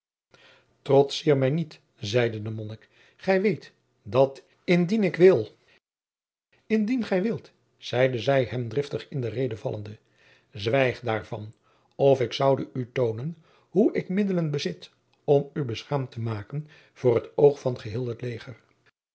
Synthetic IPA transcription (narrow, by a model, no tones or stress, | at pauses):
trɔtsiːɹmɛjnit | zɛjdədəmɔnək | χɛjʋejt | dɑt | ɪndinɪkʋɪlˠ | ɪndinχɛjʋɪlˠt | z̥ɛjdəzɛjɦɛmdrɪftəχɪndərejdəvɑ̰lˠʔə̰ndə | zʋɛjχdaːɹvɑ̰n | ɔfɪksʌwdəʔytownən | ɦuʔɪkmɪdələnbəzɪt | ɔmybəsχaːmtəmaːkən | v̥ʊːrɦətowχfɑnχəɦɪːlˠɦətlejχər